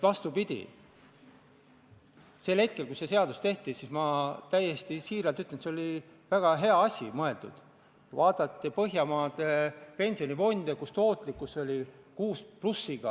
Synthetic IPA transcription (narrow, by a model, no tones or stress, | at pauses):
vɑst̪upid̪̥ʲḭ | se̞lhe̞t̪̚kelkuse̞se̞ɑd̪ust̪e̞ht̪isismɑt̪æjːe̞st̪isiːɾɑlt̪yt̪ːlenseolʲi | væɡ̥ɑɦe̞ɑɑsʲimɤe̞ld̪̥ṵd̪̥ | vɑːd̪̥ɑt̪ːˑipɤɦjɑmɑːd̪̥epe̞nʲsio̞nivo̞nʲd̪̥ekust̪o̞ːt̪ˑlikːˑuso̞lʲi | kuːsplusːiɡ̥ɑ